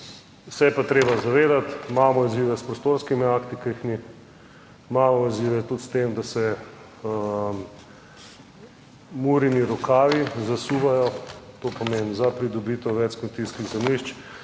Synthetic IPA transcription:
sɛjɛpat̪ɾeːbazaʋeːd̪at̪maːmɔiziːʋɛspɾɔst̪oɾskimiakt̪ikixmi | maːmɔiziʋɛt̪ut̪st̪emd̪asɛ | muɾiniɾɔkaːʋizasuʋajɔt̪oːpɔmenzapɾid̪ɔbiːt̪ɛʋɛt͡ʃkont̪iskiɣzɛmliʃt͡ʃ

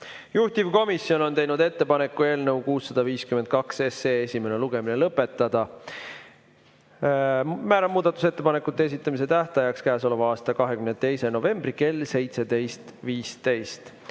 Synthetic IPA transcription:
juht̪ivko̞misːjo̞no̞nt̪e̞jnud̪e̞t̪ːe̞pɑne̞kːˑue̞ːlnɤwkuːsːɑd̪̥ɑviːskymend̪̚kɑkseseːesʲime̞ne̞luɡ̥e̞minelɤpːˑe̞t̪ːˑɑd̪̥ɑ | mæːɾɑmuːd̪̥ɑt̪ːˑu̥se̞t̪ːe̞pɑne̞kːˑut̪ːˑeesit̪ːˑɑmis̬e̞t̪æht̪ɑjɑkskæːso̞levɑɑːst̪ɑkɑɦe̞kymnet̪e̞jse̞no̞ve̞mb̥rike̞lse̞jt̪se̞d̪e̞jst̪viːst̪e̞jst̪

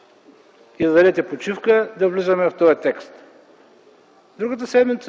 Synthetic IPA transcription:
izɐd̪ɐɾɛt̪ɛpot͡ʃifkəd̪ɐvlizəmɛft̪ɔjɐt̪ɛkst̪ | d̪ɾuɡət̪̬əsɛd̪mit̪s

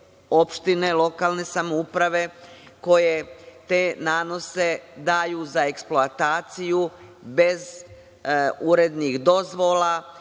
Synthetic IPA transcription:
o̞pʃt̪ine̞lˠo̞kaːlne̞samoupɾaʋe̞ko̞je̞t̪enaːno̞se̞d̪aːjuzae̞ksploat̪aːt̪siju | be̞z | uɾe̞d̪nixd̪o̞zʋo̞la

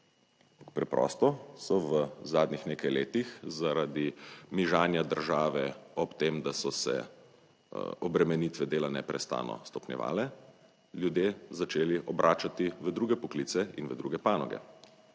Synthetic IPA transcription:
pakpɾɛpɾɔ̰st̪ɔsɔʋəzaːd̪nixneːkajleːt̪ixzaɾad̪imiʒaːnjad̪əɾʒaːʋɛɔpt̪emd̪asɔsɛ̰ | ɔbɾɛmɛnit̪ʋɛd̪eːlanɛ̰pɾɛst̪a̰ːnɔ̰st̪ɔpnjɛ̰ʋa̰ːlɛ | ljud̪jeːzat͡ʃeːliʔɔbɾʔaːt͡ʃat̪iʋəd̪ɾuːɡɛpɔklit̪sɛinʋəd̪ɾuːɡɛpaːnɔɡɛ̰

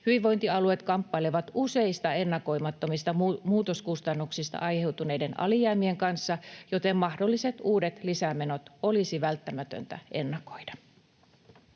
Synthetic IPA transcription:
hyʋiʋo̞jnt̪iɑlue̞t̪kɑmpːɑileʋɑt̪use̞ist̪ɑenːɑko̞jmɑt̪ːo̞mist̪ɑmuːt̪o̞skust̪ɑnːuksist̪ɑ̰ʔɑjhe̞wt̪une̞jde̞nɑ̰lijæːmie̞ŋkɑnsːɑjo̞t̪e̞mːmɑhdo̞lːise̞t̪uːdet̪lisæme̞no̞t̪o̞lisiʋælt̪ːæmæt̪ø̰nt̪æ̰ʔenːɑko̞̥jdɑ̥

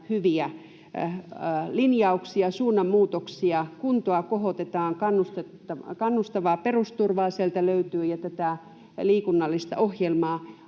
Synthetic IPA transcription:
hyʋiæ | linjɑuksiɑsuːnːɑmmuːt̪oksiɑkunt̪oɑkohot̪et̪ɑːŋkɑnːust̪et̪ːɑkɑnːust̪ɑʋɑːperust̪urʋɑːsielt̪æløyt̪yːjɑt̪æt̪æˑ | liːkunːɑlːist̪ɑ̰ʔohjelmɑː

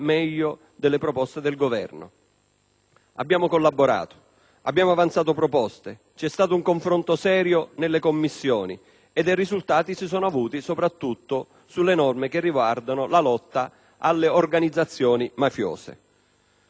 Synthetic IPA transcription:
mɛʎːo | d̪elːepɾɔpɔst̪ed̪elɡovɛ̰rnʊ̰ | a̰bːjaːmokolːabːoɾa̰ːt̪o̥ | a̰bːjaːmoavant̪saːt̪̬opɾopɔst̪e | t͡ʃɛst̪aːt̪ouŋkoɱfɾont̪osɛːɾjonelːekomːisːjɔːni | ed̪ejrizult̪aːt̪isisɔːnoavuːt̪isopɾat̪ːut̪ːo | sulːenɔrmekerːiɡward̪anʊlalɔt̪ːa | alːeorɡanid̪zːat̪sːjɔːnimafjɔ̰ːsḛ

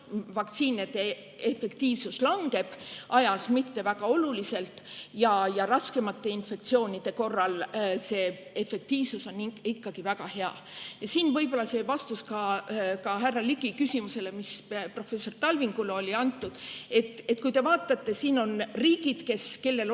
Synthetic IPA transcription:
vɑk̚t̪siːned̪̥e̞ | efe̞kt̪iːvsuslɑŋɡe̞b̥ʔɑjɑsmit̪ːe̞væɡ̥ɑo̞lulise̞lt̪jɑjɑɾɑske̞mɑt̪ːe̞infe̞kt̪sio̞ːnʲid̪̥e̞ko̞rːɑlse̞ː | efe̞k̚t̪iːvsuso̞nikːɑɡ̥ivæɡɑhe̞ɑ̰ | jɑsiːnvɤjbo̞lːɑse̞vɑst̪uskɑkɑɦærːɑliɡikysimuse̞le̞mispro̞fe̞sːo̞rt̪ɑlviŋɡ̥uleo̞lʲiɑnt̪ːˑud̪̥e̞t̪ːˑe̞t̪ːkujt̪e̞vɑːt̪ːˑɑt̪ːe̞siːno̞nriːɡid̪̥ke̞ske̞lːe̞l

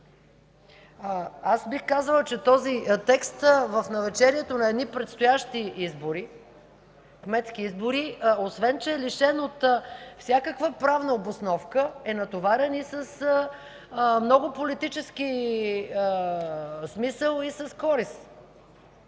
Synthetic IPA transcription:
asbixkazəlˠət͡ʃɛt̪ɔzit̪ɛkst̪vəfnɐvɛt͡ʃɛɾiɛt̪onɐɛd̪nipɾɛt̪st̪ʊjaʃt̪iʔizboɾi | kmɛt̪skiizboɾiosvɛnt͡ʃɛːliʃɛnot̪fsʲakəkvəpɾavnəobosnɔfkəɛnɐt̪ovaɾɛnisəs | mnɔɡʊpolit̪it͡ʃɛski | smisəlˠisɐskɔɾis

